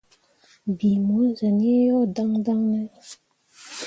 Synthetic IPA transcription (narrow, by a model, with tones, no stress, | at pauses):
bi˨mu˨˦n˨zə˨n˦e˦jɔ˦˨da˦ŋda˦ŋnə˦